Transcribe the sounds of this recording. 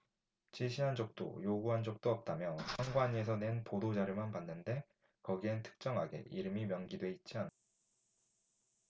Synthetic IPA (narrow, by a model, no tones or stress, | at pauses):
t͡ɕiɭɕʰiɦand͡ʑok̚t͈o̰joɡuɦand͡ʑok̚t͈oʌp̚t͈amjʌsʰʌŋɡwaɲie̞s̬ʰʌnenpodod͡ʑaɾɯmanpanːɯnde̞ | kʌɡientʰɯ̥k̚t͡ɕ͈ʌŋɦaɡe̞̰ʔiɾɯmimjʌŋɡidwe̞it̚t͡ɕ͈ian